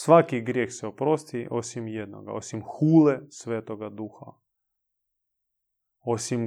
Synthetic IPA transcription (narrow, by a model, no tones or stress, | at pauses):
sʋakiɡɾjeːxsɛopɾost̪iʔosimjed̪no̰ɡa̰o̰simxuːlesʋeːt̪oɡad̪uxa̰ | osim